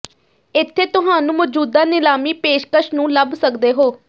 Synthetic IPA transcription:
ɪt̪ʰːeːt̪ʊɦaːnũːmɔd͡ʒuːd̪aːnɪlaːmiːpeːʃkəʃnũːləbsəkd̪eːɦoː

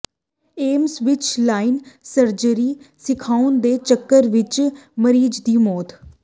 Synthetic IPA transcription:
eːmsʋɪt͡ʃlaːɪnsəɾd͡ʒəɾiːsɪkʰaːʊnd̪eːt͡ʃəkːəɾʋɪt͡ʃməɾiːd͡ʒd̪iːmɔːt̪

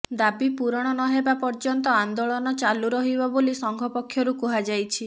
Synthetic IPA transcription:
d̪abipuɾɔɽ̃ɔñɔɦebapɔɾd͡ʒɔnt̪ɔand̪oɭɔnɔt͡ʃaluɾɔɦibɔbolisɔŋɡʱɔpɔkʰːjɔɾukuɦad͡ʒajt͡ʃʰi

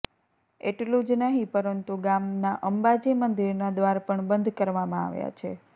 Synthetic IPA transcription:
eʈlũd͡ʒnəɦĩpəɾənt̪uɡamnaʔəmbad͡ʒimənd̪iɾnad̪ʋaɾpəɳbənd̪ʱkəɾʋamãa̰ʋja̰t͡ʃʰe

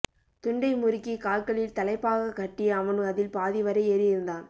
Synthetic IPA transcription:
t̪ʊɳɖɐɪmʊɾɪkːikaːɭkɐɭɪlt̪ɐlɐɪpːaːɣɐkːɐʈːɪjɐːʋɐnɯɐðɪlpaːðɪʋɐɾɐɪeːɾɪjɪɾɯnd̪aːn

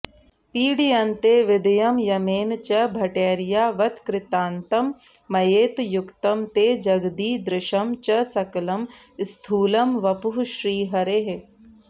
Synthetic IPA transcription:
piːɖiɐnt̪eːʋɪd̪ɐjɐmjɐmeːnt͡ʃɐbʱɐʈeːɾijaːʋɐt̪kɾɪt̪aːnt̪ɐmː | ɐjeːt̪jʊkt̪ɐmt̪eːd͡ʒɐɡd̪iːd̪ɾɪʃɐmt͡ʃɐsɐklɐmst̪ʰuːlɐmʋɐpuɦʃɾiːɦɐɾeɦe

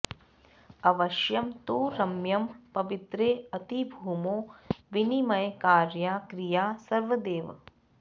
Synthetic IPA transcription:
ɐʋɐʃjɐmt̪uːɾɐmjɐmpɐʋit̪ɾeːɐt̪ibʱuːmoːʋinimɐjkaːɾjaːkɾijaːsɐɾʋɐd̪eːʋɐ

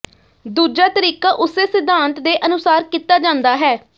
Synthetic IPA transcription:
d̪uːd͡ʒaːt̪əɾiːkaːʔʊseːsɪd̪ʱːãːnt̪d̪eːʔənʊsaːɾkiːt̪ːaːd͡ʒãːnd̪aːɦɛː

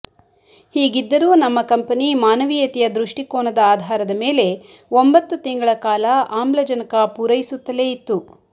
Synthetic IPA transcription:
hiːɡid̪ːɐɾuːnɐmːɐkɐmpɐnimaːnɐʋijɐt̪ijɐd̪ɾuʂʈikoːnɐd̪ɐaːd̪ʱaːɾɐd̪ɐme̞ːle̞ | ombɐt̪ːut̪iŋɡɐɭɐkaːlɐaːmblɐd͡ʒɐnɐkɐpuːɾɐjisut̪ːɐle̞ːit̪ːu

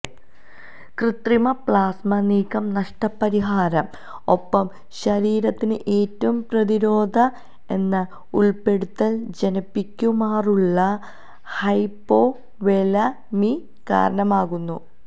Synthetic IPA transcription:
krɨt̪rimɐpɭaːsmɐniːkɐmnɐʂʈɐpːɐɾiɦaːɾɐm | o̞pːɐm | ɕɐɾiːɾɐt̪ːinɨʔe̞ːtːɐʋumprɐðiɾo̞ːd̪ʱɐ | e̞nːɨ | uɭpe̞ɽut̪ːɐld͡ʑenɐpːikʲːumaːruɭːɐ | hɐjpːo | ʋelɐ | mi | ka̰ːɾɐɳɐmaːɣunːu

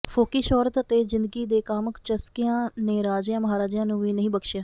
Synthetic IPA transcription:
fʰoːkiːʃɔːɾət̪ət̪eːzɪ̃nd̪əɡiːd̪eːkaːməkt͡ʃəskɪjãːneːɾaːd͡ʒjãːməɦaːɾaːd͡ʒjãːnũːʋiːnəɦĩːbəkʃjãː

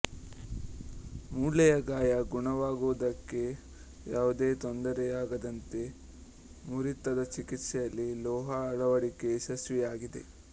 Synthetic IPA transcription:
muːɭɐjɐɡaːjɐɡuɳɐʋaːɡuʋd̪ɐkːe̞ | jaːʋud̪e̞ːt̪ond̪ɐɾɛjaːɡɐd̪ɐnt̪e̞ | muɾit̪ːɐd̪ɐt͡ʃikit̪ʂɛjɐlːilɔːɦɐːɭɐʋɐɽike̞ːsɐsʋijaːɡid̪e̞̰

